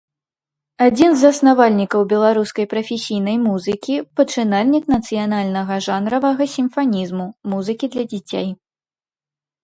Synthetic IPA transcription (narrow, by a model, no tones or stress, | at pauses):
ad͡zʲinzɐsnavalʲnʲikɐwbʲɛlˠaɾuskɐjpɾɐfʲesʲijn̪ɐjmuzɨkʲipɐt͡ʂɨnalʲnʲiknɐt̪sɨjanalʲnɐɣɐʐanɾɐvɐɣɐsʲimfanʲizmumuzɨkʲid̪lʲɐd͡zʲit͡sʲḛj